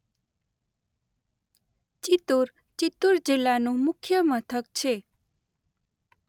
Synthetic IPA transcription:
t͡ʃit̪uɾ | t͡ʃit̪uɾd͡ʒilːanũmʊkʰjəmət̪ʰək̚t͡ʃʰe

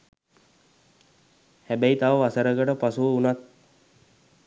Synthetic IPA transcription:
hæbæit̪aʋəʋasəɾəɡəʈəpasuʋəunat̪

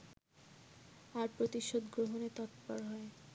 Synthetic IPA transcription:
aɾpɾot̪iʃod̪ɡɾoɦonet̪ɔt̪pɔɾɦɔe

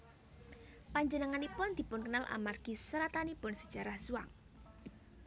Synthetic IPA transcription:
paɲd͡ʒənəŋanipʊnd̪̥i̤pʊnkənalʔa̰marɡ̥isɾat̪anipʊnsəd̥ʒ̥a̤ɾahsuaŋ

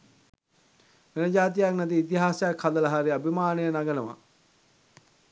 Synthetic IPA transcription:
ʋenəd͡ʒaːt̪̬ijaknæt̪̬iːt̪̬iɦaːsəjakhad̪ələɦaɾiabʱimaːnejənaɡənəʋa̰

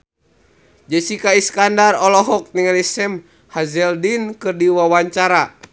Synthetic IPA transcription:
d͡ʒəsikaiskandarɔlɔɦɔk̚niŋalisɛm | hazɛldinkɨrdiwawaɲt͡ʃaɾa

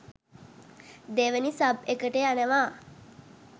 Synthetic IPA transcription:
d̪eʋənisabekəʈeanəʋaː

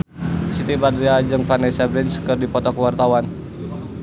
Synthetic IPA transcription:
sit̪ibadɾiad͡ʒɨŋfanesabɾɪnskərdipɔt̪ɔkəwart̪awan

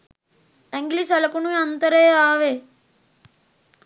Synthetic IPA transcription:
ɐŋɡlisɐlɐkunuɐnt̪ɐɾeːaːʋe

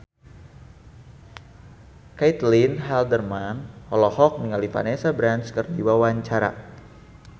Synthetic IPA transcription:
kajt̪linɦɛldərmanhɔlɔhɔk̚nəŋalifa̰nesabɾanskərdiwawaɲt͡ʃaɾa̰

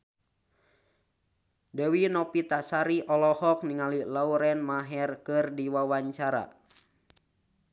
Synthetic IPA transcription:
dəwinɔpit̪asaɾiʔɔlɔhɔk̚niŋalilauɾɛnmaɦɛrkɨrdiwawaɲt͡ʃaɾa̰

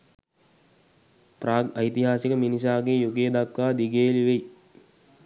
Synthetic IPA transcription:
praːəjit̪iɦaːsikəminis̬aːɡejuɡejd̪akʋaːd̪iɡeːliʋej

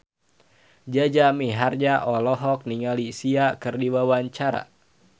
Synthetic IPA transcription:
d͡ʒad͡ʒamiɦard͡ʒaʔɔlɔɦɔk̚niŋalisiakɨrdiwawaɲt͡ʃaɾa̰

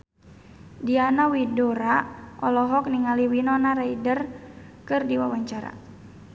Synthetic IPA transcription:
dianawidɔɾaʔɔlɔɦɔk̚niŋaliwinɔnaɾaidərkɨrdiwawaɲt͡ʃaɾa̰

